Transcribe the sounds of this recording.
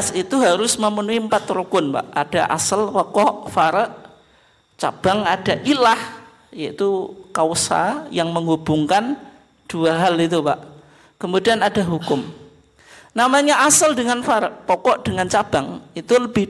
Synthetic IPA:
sit̪uɦaɾʊsməmənuiəmpat̪ɾukʊnpa̰ʔad̥aʔa̰səlpɔkɔʔfaɾəʔ | t͡ʃa̰b̥aŋadaʔilah | jait̪ukausa̰jaŋməŋubuŋkan | d̥uaɦalit̪upaʔ | kəmudianadaɦukʊm | namaɲaʔasəldəŋanfaɾəʔpɔkɔʔd̥əŋant͡ʃab̥aŋit̪uləbɪ

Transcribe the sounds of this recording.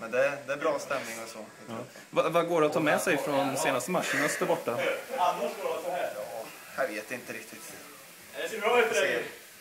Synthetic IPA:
mɛnd̪ɛd̪ɛːbɾɑːst̪ɛmnɪŋɔsɔ | vavaɡoːɖɛat̪ʰːɑːmɛsɛjfɾɔnseːnast̪əmat̪ʂːənasɪ̥t̪ːəɾbɔʈːaanːaɡoːasɔhæː | javeːt̪ɪnt̪əɾɪkt̪ʰɪt̪ | ɛsbɾɔːfɛ

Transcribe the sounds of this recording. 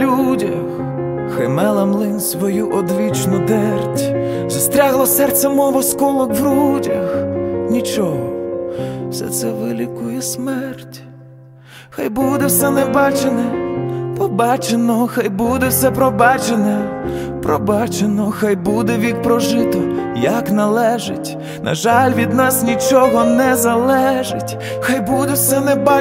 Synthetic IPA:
lʲudʲɐx | xajmɛlˠɐmlˠɪnsʋɔjuʔɔd̪ʋʲit͡ʃnʊd̪ɛrtʲ | zɐst̪ɾʲaɦlˠɔsɛrt̪sɛmɔʋɔskɔlˠɔkʋɾudʲɐxnʲit͡ʃɔɦɔ | sɛ̰t̪sɛʋɪlʲikʊjɛsmɛrtʲ | xajbud̪ɛwsɛnɛbɑt͡ʃenɛpɔbɑt͡ʃenɔxajbud̪ɛwsɛpɾɔbɑt͡ʃenɛ | pɾɔbɑt͡ʃenɔxajbud̪ɛʋʲik̚pɾɔʒɪt̪ɔjɐknɐlˠɛʒḛtʲ | nʔɐ̰ʒɑlʲʋʲid̪nɑsnʲit͡ʃɔɦɔnɛzɐlˠɛʒetʲ | xajbud̪ɛwsɛnɛbɑ

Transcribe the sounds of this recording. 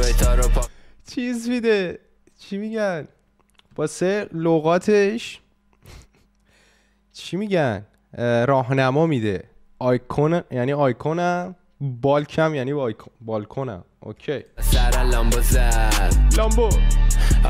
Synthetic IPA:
ejt̪ʰɒːɾopʰːt͡ʃʰizmid̪e | t͡ʃʰimiɟæn | b̥ɒseloɣɒːt̪ʰeʃ | t͡ʃʰimiɟæn | ɾɒːɦnæmɒːmid̪e | ɒjkʰonjæniːɒjkʰonæm | bɒːlkʰæmjæniːbɒjkʰobɒlkʰonæ̰mʔo̰cʰejsæɾælɒmbozæd̪lɒmbo

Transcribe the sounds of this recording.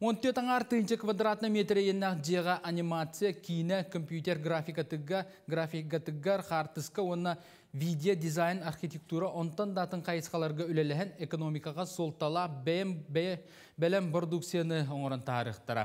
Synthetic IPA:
wo̞nt̪øɾt̪ɑɴɑɾt̪ʰɨjənʃəkvad̪rat̪ənəmet̪ɾejennɑqd͡ʒieʁɑʔanʲimat̪sɨjakʲʰijnekʰompjut̪ʲe̞rɡrafʲijkat̪ɡ | ɡrafʲikat̪ɪɡeɾχɑɾt̪əskəwonːə | vʲid̪ʲeod̪izajnarχʲit̪ʲe̞k̚t̪uɾɑʔont̪ənd̪ɑt̪əɴqʰɑjəsqɑlˠɑɾʁɑʏlæleɦɪneko̞no̞mijkɑʁɑsolˠt̪ːɑlˠɑ | bɪlɪmprod̪ukt̪sɨjanəʊɴəɾənt̪ʰɑɾḭχt̪ɑɾɑ̰

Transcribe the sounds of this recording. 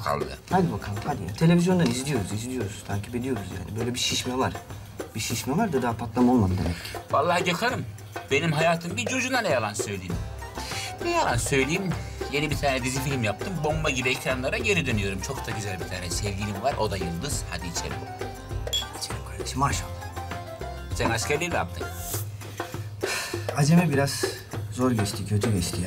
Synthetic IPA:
kʰa̰lˠd̪ɯ̰had̪ibakʰalˠhad̪ijat̪ʰe̞lʲe̞vizjo̞nd̪anizd̪ʲijo̞ɾuzizd̪ʲijo̞ɾuzt̪ʰaɲcʰibed̪ijo̞ɾuzja̰ːnibø̞jlʲɛbiʃiʃmɛvaɾ̥ | b̥iʃiʃmɛvaɾd̪ad̪aːpʰat̪lˠamo̞lˠmad̪ɯd̪emɛcːi̥valˠːaːɟakʰanɯm | be̞nimɦajaːt̪ʰɯmɟiid͡ʒuɾd͡ʒund̪anejalˠansø̞jlʲijimm | ejalˠansø̞jlʲijimje̞nibit̪ʰaːnɛd̪izifilʲimjap̚t̪ʰɯmbo̞mbaɟibiɛcɾanlˠaɾaɟe̞nid̪ønyjo̞ɾumt͡ʃʰo̞kt̪ʰaɟyzælʲbit̪ʰaːnɛsɛvɟilʲimivaɾʔo̞d̪ajɯlˠd̪ɯz̥had̪iːt͡ʃʰḛlʲḭ | t͡ʃʰekʰaɾeʃimaɾʃa | sɛnaʃcæɾlʲeɾina̰p̚t̪ʰɯ̰k | ad͡ʒemibiɾaz̥ | zo̞ɾɟɛt͡ʃt̪ʰicʰød͡ʒyvɛt͡ʃt̪ʰi

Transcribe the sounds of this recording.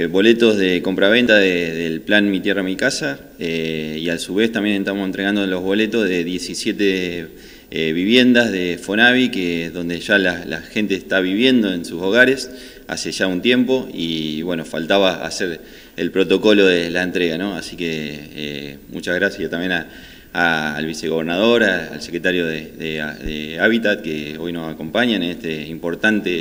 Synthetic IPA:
βo̞le̞t̪o̞zðe̞ko̞mpɾaβ̞e̞nt̪aðeðelplanmit̪je̞ramikasa | eiasuβe̞st̪ambje̞nent̪amosent̪ɾeand̪olo̞zβo̞le̞t̪ozðe̞ðje̞sisje̞t̪e | eβiβje̞nd̪azðefo̞naβikeðo̞nd̪eʒalala̰xe̞nt̪eːht̪aβiβje̞nd̪o̞ensuso̞ɣ̞aɾe̞s | a̰se̞ʒaunt̪je̞mpo̞iβwe̞nofalt̪aβaa̰seɾ | ḛlpɾo̞t̪o̞ko̞lo̞ðelaent̪ɾeɣano̞asikeḛmṵt͡ʃaɣɾasjaat̪ambje̞naː | lβiseɣo̞βeɾnað̞oɾaa̰lsekɾet̪aɾjo̞ðeðeðeaβit̪at̪̚keo̞jno̞sako̞mpaɲaneht̪eimpo̞ɾt̪ant̪e

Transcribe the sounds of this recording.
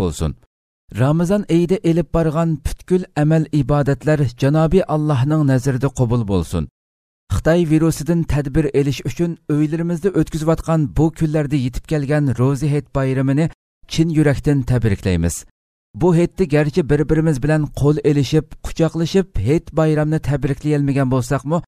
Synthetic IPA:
bo̰lˠsṵn | ɾɑmɨzɑnejd̪ɛʔelɪp̚bɑɾʁɑnpʰy̥t̪kʲylɛmɛlibɑːd̪ɛt̪læɾd͡ʒɑnɑːbɨʔɑlˠːɑɦnɨŋnɛzɾɪd̪ɛqʰobulˠbo̰lˠsṵn | χɨ̥t̪ʰɑjviɾusɨd̪ɪnt̪ʰɛd̪bɪɾelɪʃyt͡ʃʰynøjlɪɾɪmɪzd̪ɛʔøt̪kʲyzɪwɑt̪qɑnbukʲʰylːæɾd̪ɛjet̪ʰɪ̥p̚kʲʰɛlɡʲɛnɾoziɦet̪̚bɑjɾɨmɨnɪ | t͡ʃʰinjyɾɛkʲt̪ɪnt̪ʰɛbɾɪkʲlɛ̰jmɪ̰z̥ | buɦet̪ːɛɡʲæɾt͡ʃʰibɪɾbɪɾɪmɪzbɪlɛnqʰolˠelɪʃipqʰʊ̥t͡ʃʰɑqlˠɨʃiphet̪bɑjɾɑmnɨt̪ʰɛbɾɪkʲlɪjɛlmɪɡʲɛnbolˠsɑqmu

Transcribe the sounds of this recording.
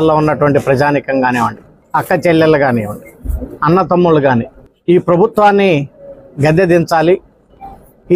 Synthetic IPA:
lːoːunːɐʈuʋɐɳʈipɾɐd͡ʒaːnikɐŋɡaːneːʋɐɳɖi | ɐkːɐt͡ʃɛlːɐlːɐɡaːneːʋɐɳɖiɐnːɐt̪ɐmːuluɡaːniː | iːpɾɐbʱut̪ʋaːnːiɡɐd̪ːɐd̪iɲt͡ʃaːli

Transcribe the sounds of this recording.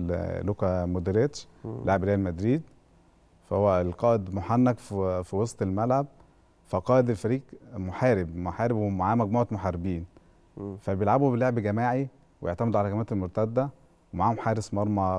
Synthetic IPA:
lokæmod̪eɾet̪ʃ | leʕebɾeːjælmæd̪ɾiːd̪ | fæhowːælqɑːʔed̪moħanːækffiwɑsˤt̪ˤelmælʕab̚ | fæqɑːʔed̪elfæɾiːɡmoħæːɾebmoħaːɾebwemoʕaːmæɡmoʕt̪moħaɾebiːn | fæbejelʕabhubeleʕebɡæmaːʕi | wejeʕt̪æmed̪uʕalæɡæmæːt̪elmoɾt̪æd̪ːæ | wemaʕaːhomħaːɾesmɑɾˤmæ

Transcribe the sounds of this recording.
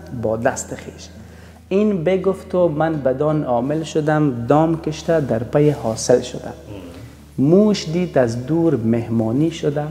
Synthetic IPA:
bɔːd̪ast̪ɪxeːʃ | inbeɡʊft̪omanbad̪ɔːnɔːmɪlʃʊd̪amd̪ɔːmkɪʃt̪ad̪aɾpajehɒsɪlʃʊd̪a̰ | muːʃd̪iːd̪azd̪uːɾmehmɔːniʃʊd̪a

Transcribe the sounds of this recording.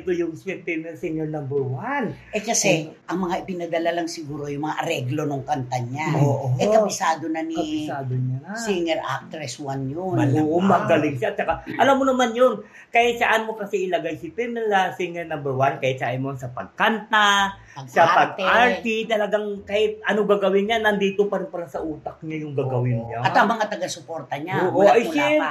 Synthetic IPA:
ɪt̪ojʊŋsɛp̪ɛnɐsɪŋɛɹnambɛɹwanʔɛkɐsɛʔɐŋmɐŋaʔɪpɪnɐd̪ɐlalɐŋsɪɡuːɾo̞jʊŋmɐŋaʔɐɾɛɡlo̞noŋkɐnt̪ɐɲaoʔoʔɛkɐbɪsaːd̪onɐnikɐsaːd̪onasiŋɛɹʔa̰p̚t̪ɾɛswanjonoʔomɐɡɐlɪŋsat̪̚t͡ʃɐkaʔɐlamːonɐmanjon | kahɪt̪̚saʔanmo̞kɐsɛʔɪlɐɡajsɪpɛmɛlasiŋɛɹnambɛɾwankajɪt̪̚saʔɪjmonsɐpɐ̰ɡ̚kant̪a | sɐpɐɡ̪aɹt̪it̪ɐlɐɡaŋkaːhɪt̪̚ʔɐnoɡaɡɐwɪnɲanːɐnd̪iːt̪opɐɾɪnpɐɾasɐʔuːt̪ɐk̚ɲajʊŋɡaɡɐwɪnɲaɐt̪ɐŋmɐŋat̪ɐɡasʊpoɾt̪ɐɲaoːʔoajsɛ

